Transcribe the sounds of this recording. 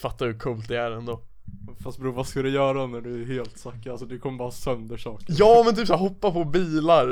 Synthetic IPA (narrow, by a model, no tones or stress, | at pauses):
fat̪ːaɾhɵkʰuːlt̪̚d̪ɛæɾɛnd̪o | fast̪̚bɾuːvaskald̪ɛjœːɾad̪ɔnæɖɵæheːlt̪sakːalsɔd̪ɛkʰɔmːəbɑːɾasœnd̪əʂɑːkəjɑːmɛnt̪ʰyːpsæɾɦɔpːapʰɔbiːlaɾ